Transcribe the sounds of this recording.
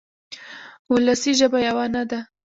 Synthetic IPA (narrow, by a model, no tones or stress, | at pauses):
ʊlasiʒəbajawanad̪a